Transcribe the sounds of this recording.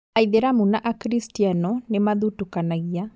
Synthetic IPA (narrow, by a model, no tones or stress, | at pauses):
aiðeɾamunaʔakɾistianɔnemaðutukanaɣia